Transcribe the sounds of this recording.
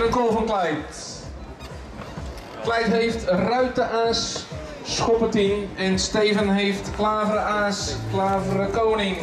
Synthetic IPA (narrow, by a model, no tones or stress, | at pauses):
ənkolˠvənklɛjt | klɛjtɦejftrœɥtəʔaːsː | χɔpətinɛnstejvənɦejftklaːvrəaːsklaːvərəkownɪŋ